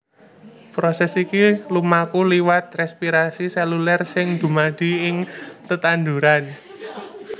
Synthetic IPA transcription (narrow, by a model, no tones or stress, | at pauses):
pɾosɛsikilumakuliwat̪̚rɛspiɾasisɛlulɛrsɪŋd̪̥ṳmaɖ̥i̤ɪŋt̪ət̪and̪ṳɾan